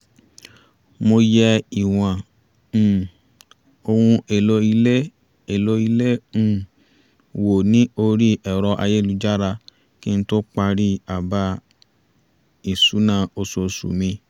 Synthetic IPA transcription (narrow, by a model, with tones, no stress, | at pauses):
mo˧jɛ˧i˨w̃ã˨ | o˧hũ˧e˨lo˧˦i˧le˦ | e˨lo˧˦i˧lẽ˦˨ | wo˨nĩ˨˦o˧ɾi˦ʔɛ˨ɾɔ˧ʔa̰˧je˦lu˧d͡ʒa˦ɾa˧ | ki˦ñ̩˦to˦k͡pa˧ɾi˦a˨ba˧˦ | i˨su˨˦nã˦˨o˧so˧˨˧sṵ˨mĩ˧